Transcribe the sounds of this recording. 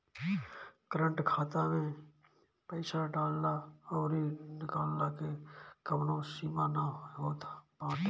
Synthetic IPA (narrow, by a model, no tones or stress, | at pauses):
kəɾə̃ɳʈkʰaːt̪amẽ | pəɪsaɖaːlːaɔːɾinɪkaːlːakekəmnõsiːmanaɦoːt̪apãːʈ̪ː